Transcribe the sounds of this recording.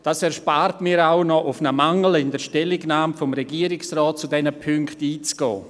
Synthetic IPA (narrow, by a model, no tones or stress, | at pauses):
d̥aːsɛɾʃpaːɾtmiːɾawnɔʔʊfnəmaŋəl̩ɪndəʃtɛlɪɡnaːmfɔmɾɛɡiːəɾɪksrɔːt̚t͡sudɛnəpʰʏŋktiːt͡sɡ̥ɔ̰ː